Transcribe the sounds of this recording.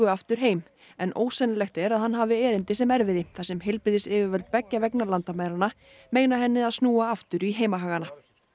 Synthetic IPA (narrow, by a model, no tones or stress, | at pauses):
ʏaft̪ʏɾ̥ɦeːjm | ɛnʔo̰ːwsɛnalɛxt̪ɛɾaðhanːɦaːvɪɛːɾɪnt̪ɪsɛmɛɾvɪðɪθasɛmɦɪlpɾɪðɪsɪːvɪvœlt̪̚pɛcːavɛknaɾlant̪amaːðɾanːa | meːjnaɦɛnːɪaðsnuːaaft̪ʏɾiɦeːjmaɦaːɣana